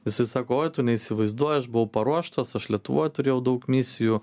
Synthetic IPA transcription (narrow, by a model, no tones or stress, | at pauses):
ʋʲɪsɪsɑːkoːoːjt̪ʊnʲɛisʲɪʋɐɪzd̪uɔjɐʃbʊʋɐʊpɐɾuɔʃt̪ɐsɐʃlʲiɛt̪ʊʋo̰ːjt̪ʊɾʲeːjɛʊd̪ɐʊkmʲɪsʲɪjuː